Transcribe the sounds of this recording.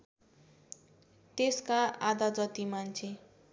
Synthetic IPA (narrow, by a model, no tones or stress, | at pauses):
t̪eskaad̪ad͡zʌt̪imant͡sʰe